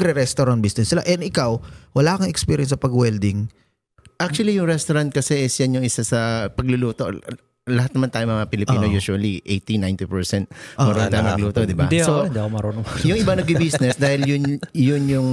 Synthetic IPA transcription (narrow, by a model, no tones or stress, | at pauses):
ɾɛɾɛst̪oɾɐn̚bisnɛsːɪla̰ʔɛnɪkawwɐlaːkɐŋɛkspiːɾjɛnsɐpɐɡwɛld̪ɪŋ | ʔak̚t͡ʃuɐlijʊŋɾɛst̪oɾant̪̚kɐsɛʔɛsjanjʊŋɪsasɐpɐɡ̚lʊluːt̪o̞ | lɐɦat̪nɐmant̪aːjoŋmɐŋapɪlɪpiːnojuːʃuɐliʔejt̪inajnt̪ipɛɹsɛnt̪̚mɐɾont̪aːjoŋmɐɡluːt̪od̪ɪbad̪sod̪iɐkomɐɾonojʊŋʔɪbanɐɡ̚bɪbisnɛsd̪aːhɪljʊnjʊnjʊŋ